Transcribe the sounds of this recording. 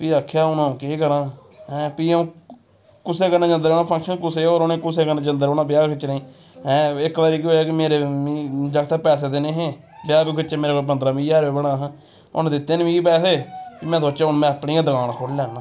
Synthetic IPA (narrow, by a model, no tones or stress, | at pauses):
piːakʰːjaːʊnõːkeːkəɾãːɦɛ̃ːpiːũː | kʊseːkəɾneːd͡ʒə̃nd̪əɾonãːpʰə̃ŋkʃənkʊseːoːɾonẽːkʊseːkəɾnẽːd͡ʒənd̪əɾoːnãːbjaːɡkʰɪt͡ʃnĩː | ɦɛ̃ːɪkʋaːɾiːk̬ioːkimeːɾeːmĩːd͡ʒəkt̪aːpɛːs̬eːd̪eːneːɦeː | bjaːɡikʰɪt͡ʃeːmeːɾeːkobənd̪ɾaːmĩːjaːɾeːbəɽaːɦ | ʊ̰nːd̪ɪt̪ːeːnmĩːiːpɛːseːpiːmɛ̃ːsot͡ʃːaːɦʊnmɛ̃ːaːpɳiːãd̪əɡaːɽ̃akʰoɽlɛːnãː